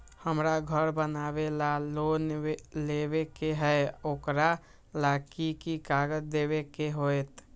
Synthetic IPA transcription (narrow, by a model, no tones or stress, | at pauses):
həmɾaɡʱəɾbənabelalonelebekeɦɛjokɾa | lakikikaɡəd͡ʒd̪eβekeɦojt̪